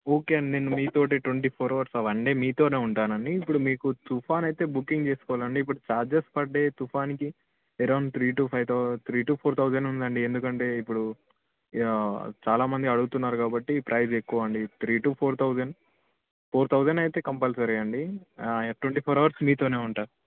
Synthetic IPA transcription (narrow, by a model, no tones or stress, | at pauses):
oːke̞ːnenːumiːt̪o̞ːʈ̬iʈʋeɳʈiːpʰoːɾɐʋɐɾsɐʋɐɳɖemiːt̪o̞ːne̞ːuɳʈaːnɐɳɖiːpːuɽumiːkut̪upʰaːnɐjt̪e̞ːbukːiŋɡt͡ʃe̞ːsu̥kɔʋaːlɐɳɖiːp̬ːuɽut͡ʃaːɾd͡ʒespɐɖːe̞ːt̪upʰaːniki | ɛɾɐwnt̪ʰɾiːʈuːpʰɐjt̪t̪ʰɾiːʈuːpʰoːɾt̪ʰɐwd͡ʒɐnund̪ɐɳɖiend̪ukɐɳʈe̞ːipːuɽu | t͡ʃaːlaːmɐnd̪iɐɽuɡut̪unːaːɾukaːbɐʈːipɾʔɐjd͡ʒe̞kːuʋɐɐɳɖit̪ʰɾiːʈuːpʰoːɾt̪ʰɐwd͡ʒɐn | pʰoːɾt̪ʰɐwd͡ʒɐnɐjt̪e̞ːkɐmpɐlsɐɾɐjɐɳɖiaːjɐʈweɳʈiːpʰoːɾɐʋɐɾsmiːt̪oːne̞ːuɳʈaː